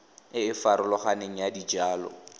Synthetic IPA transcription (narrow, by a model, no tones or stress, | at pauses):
ɪɪfaɾʊlɔχaneŋ̩jadid͡ʒaːlɔ̰